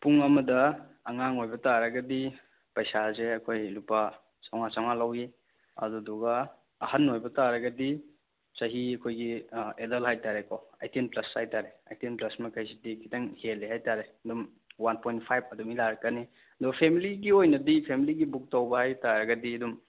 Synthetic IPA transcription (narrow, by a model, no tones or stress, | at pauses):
puŋɐmɐdɐː | ŋaŋojbɐtaɾɐɡɐdi | pɐjsazeɐkʰojlupa | sawŋasawŋalawi | ɐ̰duduɡɐː | hanːojbɐtaɾɐɡɐdi | sɐɦiɐkʰojɡiedɐlhajtaɾekɔa̰jtinplɐsajtaɾea̰jtinplɐsmɐkʰajsidikʰitaŋhelːiɦajtaɾeɐdum | wanpojnt̚pʰajb̚ɐdumilaɾkɐni | ɐdɔpʰemiliɡiojnɐdipʰemiliɡibuk̚tawbɐhajtaɾɐɡɐdiɐdum